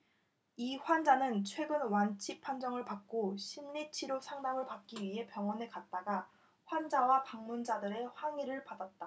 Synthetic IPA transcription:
iɸwand͡ʑanɯnt͡ɕʰwe̞ɡɯnwant͡ɕʰipʰand͡ʑʌŋɯɭpak̚k͈oɕʰimʎit͡ɕʰiɾosʰaŋdamɯɭpak̚k͈iɥiɦe̞pjʌŋwʌnekat̚t͈aɡa | ɸwand͡ʑawakaŋmund͡ʑadɯɾe̞ɸwaŋiɾɯɭpadat̚t͈a

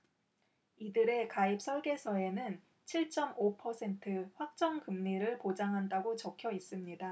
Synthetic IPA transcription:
idɯɾe̞kaip̚s͈ʰʌɭɡe̞sʰʌe̞nɯn | t͡ɕʰiɭt͡ɕ͈ʌmopʰʌsʰe̞ntʰɯɸwak̚t͡ɕ͈ʌŋkɯmɲiɾɯɭpod͡ʑaŋɦandaɡot͡ɕʌkʰjʌis͈ɯmɲida

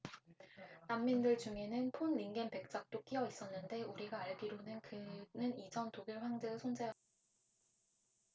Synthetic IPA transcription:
namːindɯɭd͡ʑuŋe̞nɯnpʰonːiŋɡenpe̞k̚t͡ɕ͈ak̚t͈ok͈iʌis͈ʌnːɯnde̞uɾiɡaːɭbiɾonɯnkɯnɯnid͡ʑʌntoɡiɭɸwaŋd͡ʑeɡɯsʰond͡ʑejʌt͈

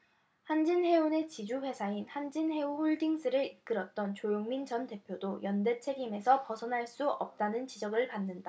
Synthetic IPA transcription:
hand͡ʑinhe̞une̞t͡ɕid͡ʑuɸwe̞sʰainhand͡ʑinhe̞uɸoɭdiŋs͈ɯɾɯɾik͈ɯɾʌt̚t͈ʌnt͡ɕojoŋmint͡ɕʌnte̞pʰjodojʌnde̞t͡ɕʰe̞ɡime̞sʰʌpʌsʰʌnɦaɭs͈uʌp̚t͈anɯnt͡ɕid͡ʑʌɡɯɭpanːɯnda

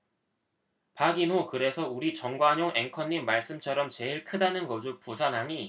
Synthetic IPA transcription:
paɡinɦokɯɾe̞sʰʌuɾit͡ɕʌŋɡwaɲoŋe̞ŋkʰʌɲːimːaɭs͈ɯmt͡ɕʰʌɾʌmt͡ɕe̞iɭkʰɯdanɯnɡʌd͡ʑopusʰanɦaɲi

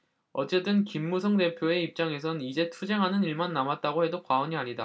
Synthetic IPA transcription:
ʌt͡ɕ͈e̞t͈ɯnkimːusʰʌŋde̞pʰjoe̞ip̚t͡ɕ͈aŋe̞s̬ʰʌnid͡ʑe̞tʰud͡ʑe̞ŋɦanɯniɭmanːamat̚t͈aɡohe̞dokwaʌɲiɦaɾida

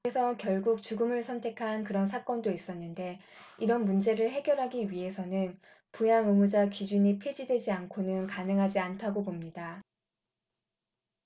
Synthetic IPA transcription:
esʰʌkjʌɭɡuk̚t͡ɕuɡɯmɯɭsʰʌntʰe̞kʰankɯɾʌns̬ʰak͈ʌndois͈ʌnːɯnde̞ | iɾʌnmund͡ʑe̞ɾɯɭɦe̞ɡjʌɾɦaɡiɥiɦe̞sʰʌnɯn | pujaŋɯmud͡ʑakid͡ʑuɲipʰed͡ʑidwe̞d͡ʑiankʰonɯnkanɯŋɦad͡ʑiantʰaɡopomɲida

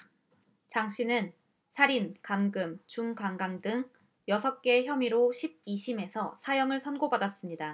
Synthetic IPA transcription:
t͡ɕaŋɕ͈ʰinɯn | sʰaɾinkamɡɯmt͡ɕuŋkaŋɡaŋdɯŋ | jʌsʰʌp̚k͈e̞çjʌmiɾoɕʰib̚iɕʰime̞sʰʌsʰajʌŋɯɭsʰʌnɡobadas͈ɯmɲida

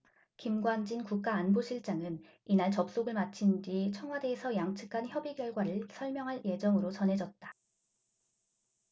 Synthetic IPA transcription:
kimɡwand͡ʑinkuk̚k͈aːnboɕʰiɭt͡ɕ͈aŋɯn | inaɭt͡ɕʌp̚s͈oɡɯɭmat͡ɕʰind͡ʑit͡ɕʰʌŋwade̞ːsʰʌjaŋt͡ɕʰɯ̥kʰançjʌbiɡjʌɭɡwaɾɯɭsʰʌɭmjʌŋɦaɭje̞d͡ʑʌŋɯɾot͡ɕʌnɦe̞d͡ʑʌt̚t͈ḁ

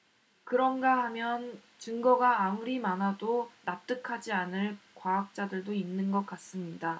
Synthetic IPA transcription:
kɯɾʌnɡaɦamjʌn | t͡ɕɯŋɡʌɡaːmuɾimanɦadonap̚t͈ɯkʰad͡ʑianɯɭkwaːk̚t͡ɕ͈adɯɭdoinːɯnɡʌk͈as͈ɯmɲida

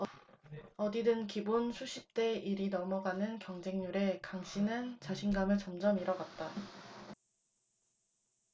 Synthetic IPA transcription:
ʌdidɯnkibonsʰuɕʰip̚t͈e̞iɾinʌmʌɡanɯnkjʌŋd͡ʑe̞ŋɲuɾe̞kaŋɕ͈inɯnt͡ɕaɕʰinɡamɯɭt͡ɕʌmd͡ʑʌmiɾʌɡat̚t͈a

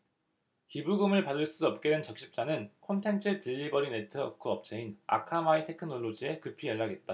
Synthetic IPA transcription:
kibuɡɯmɯɭpadɯɭs͈uʌp̚k͈e̞dwent͡ɕʌk̚ɕ͈i̥p̚t͡ɕ͈anɯnkʰontʰe̞nt͡ɕʰɯtɯʎːibʌɾine̞tʰɯʌkʰɯʌp̚t͡ɕ͈ʰeina̰kʰamaitʰe̞kʰɯnoɭːod͡ʑie̞kɯpʰijʌɭːaɡe̞t̚t͈a

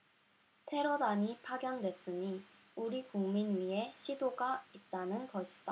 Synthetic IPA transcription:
tʰe̞ɾodaɲipʰaɡjʌndwe̞s͈ɯɲi | uɾikuŋminɥie̞ɕʰidoɡait̚t͈anɯnkʌɕʰi̥d̥͈a

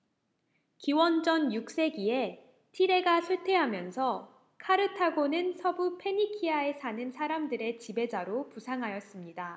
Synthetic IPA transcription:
kiwʌnd͡ʑʌnjuk̚s͈e̞ɡie̞ | tʰiɾe̞ɡasʰuɭtʰe̞ɦamjʌnsʰʌ | kʰaɾɯtʰaɡonɯnsʰʌbupʰe̞ɲikʰiae̞sʰanɯnsʰaɾamdɯɾe̞t͡ɕibe̞d͡ʑaɾopusʰaŋɦajʌs͈ɯmɲida

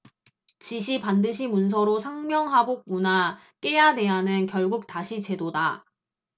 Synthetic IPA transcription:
t͡ɕiɕ̬ʰipandɯɕ̬ʰimuns̬ʰʌɾosʰaŋmjʌŋɦabok̚muna | k͈e̞jade̞ɦanɯnkjʌɭɡuk̚taɕʰit͡ɕe̞doda

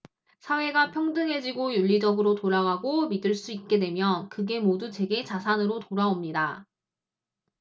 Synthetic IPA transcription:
sʰawe̞ɡapʰjʌŋdɯŋɦe̞d͡ʑiɡojuʎːid͡ʑʌɡɯɾotoɾaɡaɡomidɯɭs͈uit̚k͈e̞dwe̞mjʌkɯɡe̞modut͡ɕe̞ɡe̞t͡ɕasʰanɯɾotoɾaomɲida

